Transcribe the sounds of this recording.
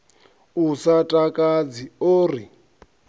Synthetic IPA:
usatʼakʼad͡zioːri

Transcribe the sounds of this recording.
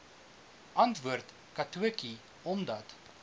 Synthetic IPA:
ʔɐntvuərt | kɐtuəki | ɔmdɐt

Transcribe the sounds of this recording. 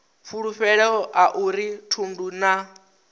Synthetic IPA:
ɸuɺuɸɛɺɛɔʔaʔuɾitʰunduna

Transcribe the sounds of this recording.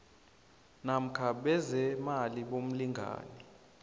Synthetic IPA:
nam̩kʰaɓɛzɛmaliɓom̩liŋɡʱa̰ːnɛ

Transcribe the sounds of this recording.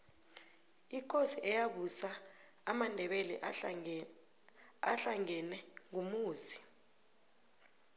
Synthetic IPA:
ik̬ʼosiʔɛjaɓusaː | mandʱɛɓɛlɛ̰ʔ | a̰ɬaŋɛnɛŋumuːzi̥

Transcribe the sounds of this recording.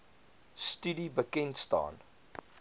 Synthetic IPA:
stydibəkɛntstɑ̰ːn

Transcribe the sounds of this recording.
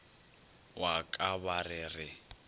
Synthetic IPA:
wakʼaβarɪrɪ

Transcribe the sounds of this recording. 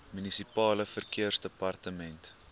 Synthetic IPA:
mynisipɑːləfərkiərsdəpɐrtəmɛnt

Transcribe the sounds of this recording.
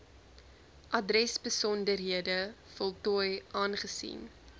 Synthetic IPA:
ʔɐdrɛsbəsɔndərɦiədəfɔlˠtɔːjʔɑːnχəsḭn

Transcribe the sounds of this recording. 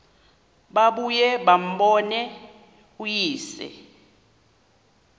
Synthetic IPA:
ɓaɓujɛɓam̩ɓɔnɛ | ujiːsɛ̰

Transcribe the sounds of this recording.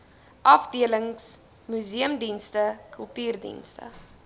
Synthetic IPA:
ʔɐfdiələŋs | myziəmdinstəkəlˠtyːrdḭnstə̰

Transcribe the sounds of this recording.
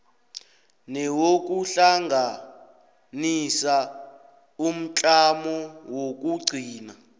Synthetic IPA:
nɛwok̬uɬaŋɡʱa | nisa | um̩t͡ɬʼamɔwok̬ʼuɡ͡ǀʱiːna

